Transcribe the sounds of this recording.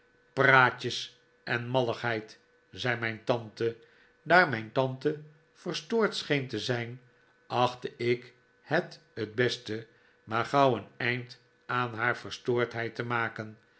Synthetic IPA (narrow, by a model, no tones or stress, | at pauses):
praːcəs | ʔɛnmɑləχɦɛjt | zɛjmɛjntɑntə | daːɹmɛjntɑntə | v̥ərstoːɹtsχejntəzɛjn | ɑχtəʔɪk | hɛt | həd̚bɛstə | maːɹχɑwənɛjnt | aːnɦaːɹvəɹstoːɹtɦɛjtəmaːkən